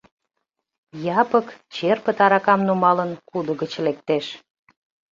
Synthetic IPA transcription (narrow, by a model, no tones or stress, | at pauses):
jɑpəkt͡ɕerpət̪ɑɾɑkɑmnumɑlənkud̪əɣət͡ɕlek̚t̪eʃ